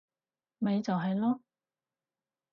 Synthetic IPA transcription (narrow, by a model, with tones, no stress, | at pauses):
me˨˧jt͡sɐ˨wɦɐ˨jlɔː˥